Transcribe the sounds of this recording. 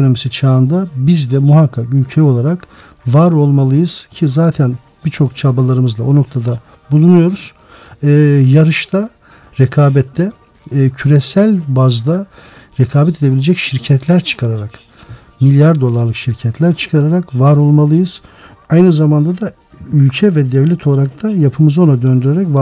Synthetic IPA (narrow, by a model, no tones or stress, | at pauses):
ono̞misit͡ʃʰaːɯnd̪abizd̪ɛmuɦakʰːakylʲcʰejo̞lˠaɾak | vaɾo̞lˠmalˠɯjɯz̥cʰizaːt̪ʰɛn | bit͡ʃʰo̞kt͡ʃʰabalˠaɾɯmɯzlˠao̞no̞k̚t̪ʰad̪a | bulˠunujo̞ɾuz̥ | ɛːjaɾɯʃt̪ʰa | ɾɛkʰaːbɛt̪ʰːɛ | cʰyɾesælʲbazd̪a | ɾɛkʰaːbɛt̪ʰed̪eilʲed͡ʒɛcʃiɾcʰɛt̪ʰlʲæɾt͡ʃʰɯ̥kʰaɾaɾak | milʲjaɾd̪o̞lˠaɾlˠɯkʃiɾcʰɛt̪ʰlʲæɾt͡ʃʰɯ̥kʰaɾaɾakvaɾo̞lˠmalˠɯjɯz̥ | ajnɯzamand̪ad̪a | ylʲcʰɛvɛd̪ɛvlʲɛt̪ʰo̞lˠaɾak̚t̪ʰajapʰɯmɯzo̞nad̪ø̞nd̪yɾeɾɛcv